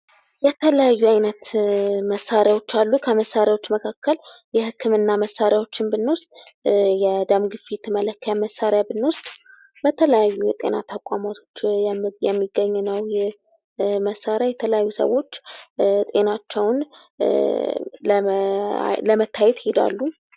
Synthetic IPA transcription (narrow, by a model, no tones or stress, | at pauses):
jɛt̪ʰələjajːuajnət̪məsːaɾjawo̞t͡ʃːalːukʰəməsːaɾjawo̞t͡ʃːməkʰakʰːəl | jɛhɨkʰːɨmɨnːaməsːaɾjawo̞t͡ʃːɪnbɨnːost̪ʼjɛd̪amɡɨfit̪ʰɨmələkːjaməsːaɾjabɨnːost̪ʼ | bət̪ʰələjajːujɛt̪ʼe̞̰nat̪ʰəkʷʼamat̪ʰo̞t͡ʃːjɛmːiɡːəɲːnəwjɛ | məsːaɾjajɛt̪ʰələjajːusə̰wo̞t͡ʃːt̪ʼe̞nat͡ʃːɛwn | ləmət̪ʰːajɛt̪hed̪a̰lːu